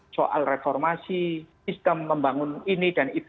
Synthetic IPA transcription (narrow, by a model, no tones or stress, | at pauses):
so̰ʔa̰lrefɔrmasisist̪əmːəmbaŋʊninid̥anit̪